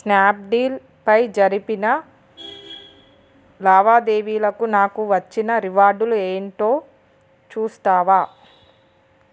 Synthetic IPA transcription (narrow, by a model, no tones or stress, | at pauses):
snaːp̚ɖiːl | pɐjd͡ʒɐɾipinɐ | laːʋaːd̪e̞ːʋiːlɐkunaːkuʋɐt͡ʃːinɐɾiʋaːɾɖulueːɳʈo̞ː | t͡ʃuːst̪aːʋaː